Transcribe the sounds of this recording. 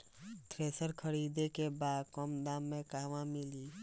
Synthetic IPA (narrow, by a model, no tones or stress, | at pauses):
t̪ʰɾeːsəɾkʰəɾiːd̪ekebaːd̪kɔmd̪aːmːẽkaːʋãmɪliː